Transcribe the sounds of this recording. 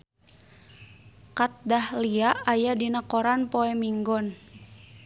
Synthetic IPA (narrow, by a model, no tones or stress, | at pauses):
kat̪̚dahliaʔajadinakɔɾanpɔɛmiŋɡɔn